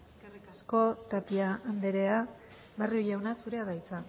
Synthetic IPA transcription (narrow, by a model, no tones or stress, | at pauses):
eskerikasko̞t̪apiaːnd̪eɾe̞a | barioʎawnasuɾe̞aðajt͡sa